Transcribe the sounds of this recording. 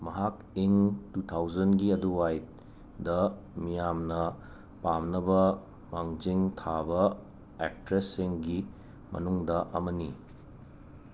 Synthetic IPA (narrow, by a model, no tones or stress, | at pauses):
mɐɦak | iŋtutʰawzɐnɡiɐduwajt | dɐ | mijamnɐ | pamnɐbɐ | maŋd͡ʒiŋtʰabɐ | ḛk̚tɾesːiŋɡi | mɐ̰nuŋdɐʔɐmɐni